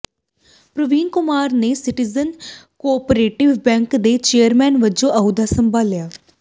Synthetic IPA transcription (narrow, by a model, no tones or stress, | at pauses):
pɾəʋiːnkʊmaːɾneːsɪʈizənkoːpɾeːʈɪʋbɛ̃ːŋkd̪eːt͡ʃeːəɾmɛːnʋəd͡ʒõːʔəud̪aːsəmbʱaːljaː